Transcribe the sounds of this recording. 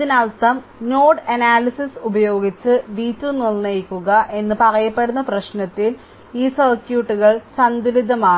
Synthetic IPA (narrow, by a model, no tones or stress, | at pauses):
iðinaːlt̪ɐm | no̞ːʈɐnaːlisisubɐjo̞ːɡit͡ɕːɨʋiːtːunilnɐjikʲːuɣɐʔe̞nːɨpɐrɐjɐpːe̞ɽunːɐprɐɕnɐt̪ːil | iːsɐrkjuːʈːuɣɐɭsɐnd̪ulid̪ʱɐmaː